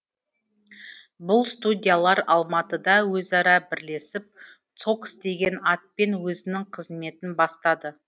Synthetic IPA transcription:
bʊlˠst̪udʲijalˠɑɾɑlˠmɑt̪əd̪ɑwɵzɑɾɑbɪɾle̞sɪp̚ | t̪so̞ksd̪e̞ɡʲe̞nɑt̪̚pe̞nwɵzɪnɪŋqʰəzme̞t̪ɪnbɑst̪ɑd̪ə

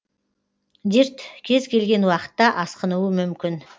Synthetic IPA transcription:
d̪iɾt̪kʲʰe̞zkʲʰe̞lɡʲe̞nwɑqə̥t̪ːɑʔɑsqənuwəmʏmkʲɪn

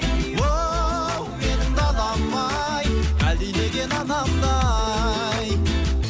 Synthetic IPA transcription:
wo | menɪnd̪ɑlˠɑmːɑ | jælileɡʲenɑnɑmd̪ɑ | j

